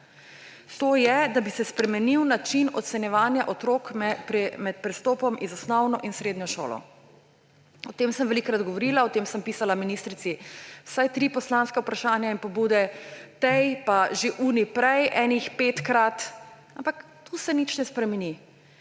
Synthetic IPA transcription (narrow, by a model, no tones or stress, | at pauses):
t̪oːjɛd̪abisɛspɾɛmɛniwnat͡ʃinɔ̰t̪sɛnjɛʋaːnjaʔɔt̪ɾoːkmɛpɾɛmɛt̪̚pɾɛst̪oːpɔmizɔsnɔwnɔʔinsɾeːd̪njɔʃo̰ːlɔ̰ | ɔt̪eːmsə̃mʋɛlikɾad̪ɡɔʋɔɾilaɔt̪eːmsəmpiːsalaminist̪ɾit̪siwsajt̪ɾipɔslãnskɛupɾaʃaːnjainpɔbuːd̪ɛt̪ɛjpaʒeʔuːnipɾɛjʔɛːnixpet̪kɾat̪ | ampak | t̪usɛnit͡ʃnɛspɾɛmɛni